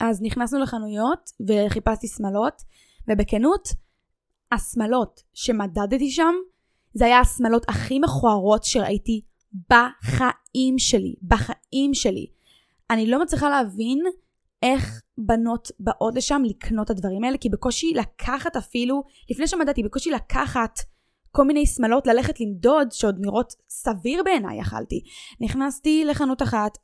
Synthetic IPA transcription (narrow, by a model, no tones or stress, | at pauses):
ʔazniχnasnuleχanujo̞tve̞χipastismalo̞t | vebe̞kenut | asmalo̞t | ʃe̞madadtiʃam | zeajasmalo̞tʰaχime̞χuaʁo̞tʃeʁa̰ʔiti | baχa | imʃe̞lḭbaχaimʃe̞lḭ | anilo̞mat͡sʁiχaleavin | e̞χbano̞tbaʔo̞tleʃamlikʰno̞tadvaʁimae̞lekibeko̞ʃilakʰaχatafilulifne̞jʃemadatibeko̞ʃilakʰaχat | ko̞lminejsmalo̞tlaleχetlimdo̞dʃeo̞dniʁʔo̞tsaviʁbe̞ːna̰ja̰χa̰ltiniχnastile̞χanutaχat